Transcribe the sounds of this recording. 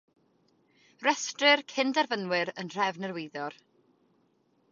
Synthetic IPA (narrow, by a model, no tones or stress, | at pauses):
rɛstrɪrkʰɪndarvənwɪɾənr̥ɛvnərwɪjðɔr